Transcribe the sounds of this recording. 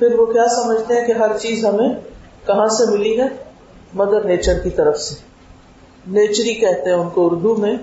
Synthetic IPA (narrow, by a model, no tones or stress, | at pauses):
pʰɪɾʋokjaːsɐməd͡ʒʱt̪eɦɛ̃keɦɐɾt͡ʃiːzɦɐmẽ | kɐɦãsemɪliɦɛː | mɐd̪əɾneːt͡ʃəɾkit̪ɐɾəfse | neːt͡ʃɾikɛɦt̪eɦɛ̃ʊnkoʊɾd̪ʱumẽ